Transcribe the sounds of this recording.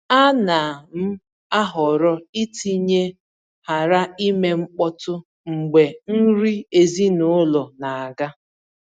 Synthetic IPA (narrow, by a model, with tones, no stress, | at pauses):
a˦na˨m̩˦ | a˦ɦɔ˨ɾɔ˦i˦ti˦ɲe˦ | ha˨ɾa˦i˦me˦ŋ͡m̩˦k͡pɔ˦tʊ˦ | ŋ͡m̩˨ɡ͡be˨n̩˦ɾi˦e˨zi˦nʊ˦lɔ˨na˨a˨ɡa˦